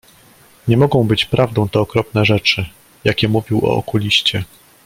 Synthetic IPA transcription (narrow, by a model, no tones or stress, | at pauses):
ɲɛmɔɡɔ̃w̃bɘt͡ɕpɾʔavd̪ɔ̃w̃t̪ɛɔkɾɔpnɛʐɛt͡ʂɘ | jakʲɛmuvʲiwɔ̰ɔ̰kulʲiɕt͡ɕɛ